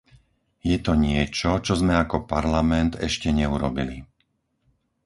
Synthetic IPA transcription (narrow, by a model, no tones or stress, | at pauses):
jɛt̪ɔɲɪɛt͡ʃɔt͡ʃɔzmɛakɔpaɾlamɛnd̪ɛ̰ʃcɛɲɛuɾɔbili